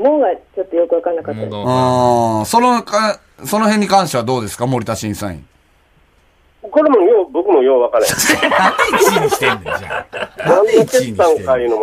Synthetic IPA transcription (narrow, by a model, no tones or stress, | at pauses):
moːɡat͡ɕot̪ːojokɯ̟βakanakat̪ːaɯ̃so̞nokã | so̞no̞ɦẽɲ̟ːikãɰ̃ɕt̪e̞βad̪o̞ːd̪esɨ̥kamo̞ɾʲit̪aɕĩɰ̃sã̰ḭ̃ | koɾemojoːbokɯ̟mojoːβakanẽnaekimi̥t̪ẽnd̪eaãneeãŋkajɯ̟nom